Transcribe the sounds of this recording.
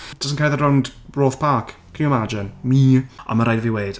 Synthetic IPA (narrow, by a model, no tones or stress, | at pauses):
d̥əsən̩kʰaːlðəɾondbroːθpʰaˑkʰkʰːənjuɪmad͡ʒɪnmiːɔ̰məɾajdəviweːd̥